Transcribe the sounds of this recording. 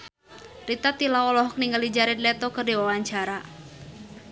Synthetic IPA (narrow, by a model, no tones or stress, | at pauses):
rit̪at̪ilawɔlɔɦɔk̚niŋɡalid͡ʒaɾɪnlɛt̪ɔkərdiwawaɲt͡ʃaɾa